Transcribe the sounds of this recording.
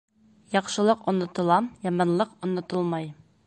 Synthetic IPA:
jɒqʃɤ̆lˠɤqŏnːɤ̆t̪ɤ̆lˠɑmjɒmɑnlˠɤqŏnːɤ̆t̪ɤlˠmɑj

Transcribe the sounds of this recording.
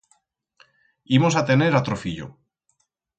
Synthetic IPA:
imos̬at̪e̞ne̞ɾat̪ɾofiʎo̰

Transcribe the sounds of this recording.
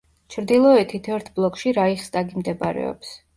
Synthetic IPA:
t͡ʃʰɾd̪ilˠɔɛt̪ʰːit̪ʰɛɛɾt̪ʰblˠɔkʰʃiɾaiχst̪ʼaɡimd̪ɛba̰ɾɛ̰ɔ̰ps

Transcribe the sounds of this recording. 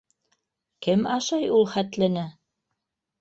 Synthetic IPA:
kɘmɑʃɑjulˠχæt̪lɘ̆nɘ

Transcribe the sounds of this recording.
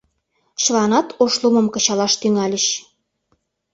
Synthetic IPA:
ɕəlɑnɑt̪oʃlumə̆mkɤ̆t͡ɕɑlɑʃt̪yŋɑlʲə̆ɕ

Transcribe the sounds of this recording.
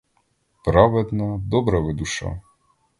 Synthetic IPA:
pɾɑʋɛd̪nɐd̪ɔbɾɐʋɪd̪uʃɑ̰

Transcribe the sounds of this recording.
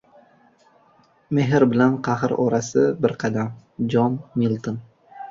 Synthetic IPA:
me̞ɦɪɾbɪlanqʰɑɦɨɾɒɾasɪbɪɾqʰɑd̪am | d͡ʒɒnːilˠt̪ɨn

